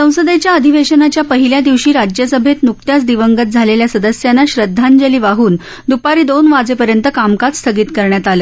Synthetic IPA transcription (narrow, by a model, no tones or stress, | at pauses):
sə̃w̃səd̪et͡ɕjaəd̪ʱiʋeɕənat͡ɕjapəɦiljad̪iʋɕiːɾad͡ʑjəsəbʱet̪nuk̚t̪jat͡sd̪iʋəŋɡət̪̚d͡zʱaleljasəd̪əsjanːaɕɾəd̪ʱːand͡ʑəliːʋaɦuːn | d̪upaɾiːd̪onʋad͡zepəɾjənt̪əkamkat͡s̪st̪ʰəɡiːt̪kəɾɳjat̪alə